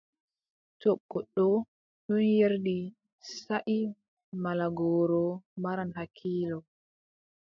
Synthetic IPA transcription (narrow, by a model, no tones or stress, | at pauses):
tɔɓːɔɗɔ | ɗɔnjeɾdi | saʔi | malaɡɔːɾɔmaɾanɦakʰːiːlɔ